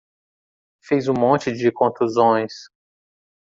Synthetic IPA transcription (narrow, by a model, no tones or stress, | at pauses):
fejzũmõt͡ʃɪd͡ʒɪkõt̪luzõj̃s